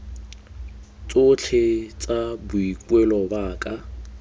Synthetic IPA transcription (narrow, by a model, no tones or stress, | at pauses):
t͡sʼʊt͡ɬʰɪt͡sʼabʊikʼwɛlɔbaːkʼa